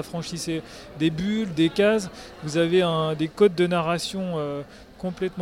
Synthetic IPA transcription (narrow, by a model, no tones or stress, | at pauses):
afχɑ̃ʃise | d̪ebyld̪ekazvuzaveɛ̃d̪ekɔt̪̚d̪ənaʁasjɔ̃ø | kɔ̃plɛt̪m̃